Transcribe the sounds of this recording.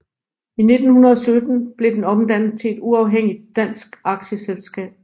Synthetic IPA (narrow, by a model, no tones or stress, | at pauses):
ine̝d̥n̩hunɐðˠɒ̽sød̥n̩b̥le̝d̥enɒ̽md̥æn̰ð̩ˠt͡sʰe̝e̝d̥uɑ̈ʊɦeŋ̰id̥̚ːæn̰sɡ̥ɑ̈ɡ̥ɕəselsɡ̥ɛ̰ːb̥